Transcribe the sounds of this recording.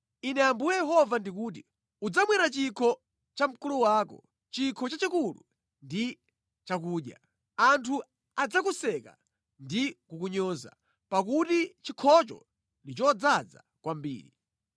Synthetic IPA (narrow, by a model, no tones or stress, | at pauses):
inɛambujɛjɛɦɔvandik̬uːt̬i | ud͡zamwɛɾat͡ʃikʰɔ | t͡ʃam̩kuluwaːkɔ̰ | t͡ʃikʰɔt͡ʃat͡ʃikulṵ | ndi | t͡ʃak̬uːɗja̰ | antʰu | ad͡zakusɛka̰ | ndikukuɲɔza̰ | pak̬utit͡ʃikʰɔt͡ʃɔ̰ | ndit͡ʃɔd͡zad͡za̰ | kwambḭːɾi